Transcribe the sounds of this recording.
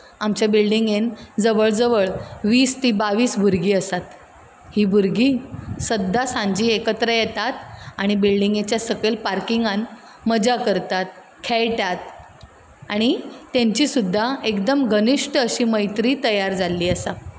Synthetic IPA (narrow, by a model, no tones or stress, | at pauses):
amt͡ɕjabilɖiŋɡend͡zəʋəɭd͡zəʋəɭʋiːst̪iːbaʋiːsbʱuɾɡiːəsat̪ | hiːbʱuɾɡisəd̪ʱːasãɲd͡ʑiːekət̪ɾəjɛt̪at̪aɽ̃ibilɖiŋɡet͡ɕjasəkelpaɾkiŋɡan | məd͡zakəɾt̪at̪̚ | kʰɛjʈat̪̚ | aɽ̃it̪ẽɲt͡ɕiːsud̪ʱːaekd̪əmɡəniʂʈəɕiːməjt̪ɾiːt̪əjaɾd͡zalːiːəsa